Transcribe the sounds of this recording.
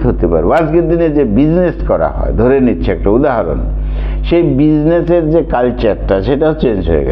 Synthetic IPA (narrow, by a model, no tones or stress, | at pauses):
ɦot̪epa̰ɾead͡ʑɡeɾd̪ined͡ʑebid͡ʑneskɔɾa̰ɦɔ̰ed̪ʱoɾeɾnitːɕʰeɛk̚ʈaud̪aɦaɾo̰n | ʃejbid͡ʑneseɾd͡ʑekalt͡ɕaɾːaʃeʈaot͡ɕend͡ʑɦo̰ḛɡɛ̰